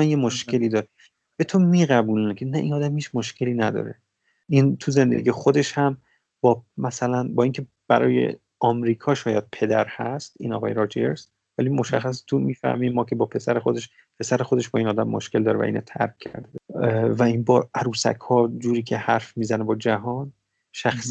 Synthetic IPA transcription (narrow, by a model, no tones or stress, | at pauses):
ænjemoʃke̞liːd̪ɒːɾe | b̥e̞t̪ʰomiːɣæbuːlnkʰenæʔinɒːd̪æmhiːt͡ʃʰmoʃcʰe̞liːnæd̪ɒ̰ːɾḛ | ʔint̪ʰuze̞nd̪ḛɟijexod̪eʃhæm | b̥ɒːmæsælænbɒːiːncʰe | b̥æ̰ɾɒ̰ːje̞̰ | ɒːmɾiːkʰɒːʃɒːjæd̪̥̚pʰe̞d̪æɾhæst̪ḭːnɒ̰ːɣɒːjeɾɒːd͡ʒeɾz | vælimoʃæxːæse̥t̪ʰumiːfæ̰hmimɒːkʰe̞bɒːpʰe̞sæɾexod̪e̞ʃ | pʰe̞sæɾexod̪e̞ʃbɒːiːnɒːd̪æmːoʃke̞ld̪ɒːɾevæ̰ḭːno̰t̪ʰæ̰ɾkːʰæ̰ɾd̪evæiːnbɒːʔæɾuːsæ̰kʰhɒːd͡ʒuːɾiːcʰe̞hæɾfmiːzænebɒːd͡ʒæɦɒːn | ʃæxs